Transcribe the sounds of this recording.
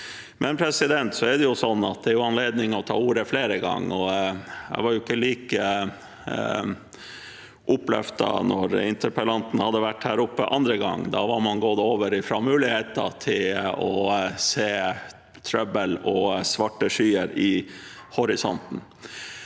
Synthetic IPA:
mɛnpʰɾɛsɪd̪ɛnt̪sɔɛɖɛjʊsɔnːɑt̪̚d̪ɛæɾjʊɑnleːd̪nɪŋɔt̪ʰɑ̰ːuːɾəfleːɾəɡɑ̰ŋːɔjæ̰ɪʋɑɾjʊɪkːəliːkə | ʔʊplɛ̰ft̪ɑ̰nɔɾɪ̰nt̪əɾpəlɑnt̪n̩hɑd̪ːəʋæʈhæːɾʊpːəʔɑnd̪ɾəɡɑ̰ŋːd̪ɑ̰ʋɑmɑnɡoːd̪əoːʋəɾɪfɾɑmʉːlɪheːt̪ɑ̰t̪ʰɪlɔseː | t̪ʰɾœbəlɔsʋɑʈːəʂyːəɾɪhɔɾɪsɔ̰nt̪n̩

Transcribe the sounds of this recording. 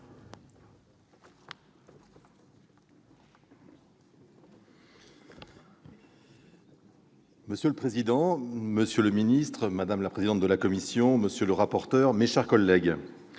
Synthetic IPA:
məsjələpχezid̪ɑ̃məsjələminist̪χmad̪amlapχezid̪ɑ̃t̪̚d̪əlakɔmisjɔ̃məsjøləʁapɔʁt̪œʁmeʃɛʁkɔlːɛɡ

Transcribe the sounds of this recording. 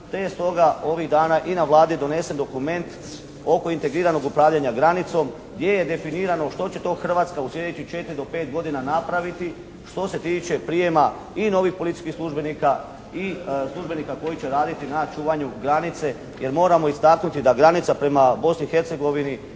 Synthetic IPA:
t̪ejst̪o̞ɡao̞ʋiɣd̪aːnaʔinaʋlˠaːd̪id̪o̞ne̞se̞nd̪o̞kume̞nt̪ | o̞ko̞int̪e̞ɡɾiːɾano̞ɡupɾaːʋʎaɲaɡɾanit̪so̞m | ɡd̪ʲje̞je̞d̪e̞finiːɾano̞ʃt̪o̞t͡ɕe̞t̪o̞ːxr̩ʋaːt̪skauslʲe̞d̪et͡ɕixt͡ʃe̞t̪iɾid̪o̞pe̞ːt̪̚ɡo̞d̪inanapɾaʋit̪i | ʃt̪o̞se̞t̪iːt͡ʃe̞pɾije̞ma | ino̞ʋixpolit̪iskixslˠuʒbe̞niːka | islˠuʒbe̞niːkako̞jit͡ɕe̞ɾaːd̪it̪inat͡ʃuːʋaɲuɡɾanit̪se̞ | je̞ɾmo̞ːɾamo̞ist̪aknut̪id̪aɡɾanit̪sapɾe̞mabo̞snixe̞ɾt̪se̞ɡo̞ʋini

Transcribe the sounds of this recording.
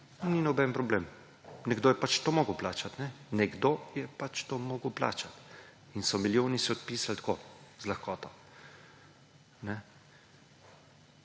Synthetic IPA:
ninɔbɛnpɾɔbleːm | nɛɡd̪oːjɛpat͡ʃt̪omɔːɡəwplaːt͡ʃat̪nɛnɛɡd̪ojɛpat͡ʃt̪omoːɡwpla̰ːt͡ʃat̪ | insɔmiljoːnisɛɔt̪̚piːsalt̪kozlaxkɔːt̪ɔ | nɛ

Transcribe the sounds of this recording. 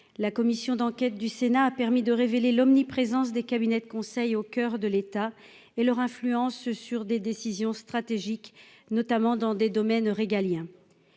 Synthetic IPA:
lakɔmisjɔ̃d̪ɑ̃kʲɛt̪̚d̪ysenaːpɛʁmid̪əʁevelelɔmnipχezɑ̃sd̪ekabinɛd̪əkɔ̃sɛjokʲœʁd̪əlet̪a | elœʁɛ̃flyɑ̃ssyʁd̪ed̪esizjɔ̃st̪χat̪eʒik | nɔt̪amɑ̃d̪ɑ̃d̪ed̪ɔmɛnʁeɡaljɛ̃

